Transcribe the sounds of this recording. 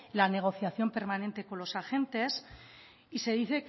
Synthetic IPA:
lane̞ɣ̞o̞θjaθjo̞mpe̞ɾmanẽ̞nt̪e̞ko̞nlo̞saxe̞nt̪e̞s | ise̞ðiθe̞k

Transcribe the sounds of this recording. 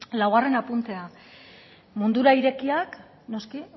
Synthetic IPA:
lawɣare̞napunt̪e̞a | mund̪uɾaiɾe̞kiak | no̞ski

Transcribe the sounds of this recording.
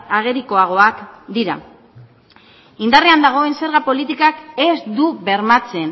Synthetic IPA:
aɣ̞e̞ɾiko̞aɣ̞o̞akd̪iɾa̰ | ind̪areand̪aɣ̞o̞e̞nse̞ɾɣapo̞lit̪ikake̞zd̪uβe̞ɾmat͡se̞n

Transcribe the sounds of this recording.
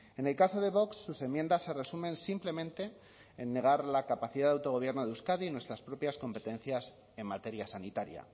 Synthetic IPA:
ene̞lkaso̞ðe̞β̞o̞ksːuse̞mːjend̪asːe̞re̞sumẽ̞nsimple̞mẽnt̪e̞ː | nːe̞ɣ̞aɾlakapaθiðaðawt̪o̞ɣ̞o̞β̞je̞ɾnoðeuskaðinwe̞st̪ɾaspɾo̞pjasko̞mpe̞t̪e̞n̟θjas | e̞mːat̪e̞ɾjasanit̪aɾja̰

